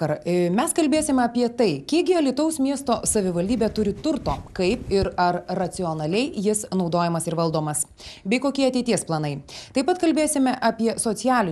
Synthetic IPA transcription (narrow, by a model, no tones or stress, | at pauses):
ɐɾmʲɛskɐlʲbʲeːsʲɪmʲɐpʲiɛt̪ɐɪkʲiɛɡʲɪɐlʲɪt̪ɐʊsmʲiɛst̪oːsɐʋʲɪʋɐlʲd̪ʲiːbʲeːt̪ʊɾʲɪt̪ʊɾt̪oːkɐɪpɪɾɐɾːɐt̪sʲɪɔnɐlʲɛɪjɪsnɒʊd̪oːjɛmɐsɪɾʋɐlˠd̪oːmɐs | bʲɛɪkoːkʲiɛɐt̪ʲɛɪt̪ʲiɛsplˠɐnɐɪt̪ɐɪpɐt̪kɐlʲbʲeːsʲɪmʲɛʔɐpʲiɛsoːt̪ʲɪjæːlʲɪ